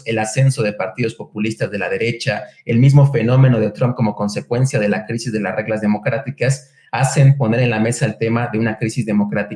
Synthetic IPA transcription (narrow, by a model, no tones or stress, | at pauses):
e̞lase̞nso̞ðe̞paɾt̪iðo̞spo̞pulist̪azðe̞lað̞e̞ɾe̞t͡ʃaelmizmo̞fe̞no̞mẽ̞no̞ðet̪ɾomp̚ko̞mo̞ko̞nsekwe̞nsjað̞e̞lakɾisizðe̞lasre̞ɣlazðemo̞kɾat̪ikas | ase̞mpo̞ne̞ɾe̞nlame̞saelt̪e̞maðeunakɾisizðe̞mo̞kɾat̪i